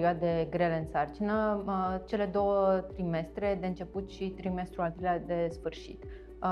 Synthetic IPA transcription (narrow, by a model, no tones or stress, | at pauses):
ioad̪eɡɾe̞le̞ɨnsart͡ʃinət͡ʃe̞le̞d̪o̞wət̪ɾime̞st̪ɾe̞d̪e̞ɨnt͡ʃe̞put̪ʃit̪ɾime̞st̪ɾualt̪ɾelʲad̪e̞sfɨrʃḭt̪